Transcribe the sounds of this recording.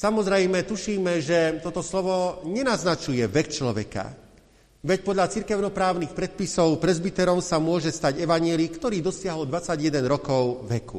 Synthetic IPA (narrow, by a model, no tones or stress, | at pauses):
samɔzɾɛjmɛt̪uʃiːmɛʒɛt̪ɔt̪ɔslɔʋɔɲɛnaznat͡ʃujɛʋɛkt͡ʃlɔʋɛ̰ka̰ | ʋɛc̚pɔd̪ʎat͡siɾkɛʊnɔpɾaːʊnixpɾɛt̪̚pisɔʊpɾɛzbit̪ɛɾɔmsamʊɔʒɛst̪aɟɛʋaɲɪɛlikt̪ɔɾiːd̪ɔsɪaɦlɔld̪ʋat͡sːaɟjɛd̪ɛnɾɔkɔʊʋɛku